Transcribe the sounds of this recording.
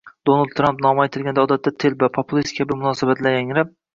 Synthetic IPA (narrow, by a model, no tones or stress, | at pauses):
d̪̥onalˠd̪ʰɾampnɒmajt̪ʰɪlɡʲand̪aɒːd̪at̪ːat̪ʰɪlvapʰopʰʊlˠist̪̚kʲʰabɪmʊnɒsabat̪laɾjaŋɪɾɪp̚